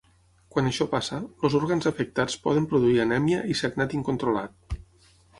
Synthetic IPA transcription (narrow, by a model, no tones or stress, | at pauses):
kwanəʃɔpasəlozuɾɣanzəfək̚t̪at͡spɔ̰ð̞əmpɾuðuiənɛmjəʔisəɡnat̪iŋkunt̪ɾula̰t̪̚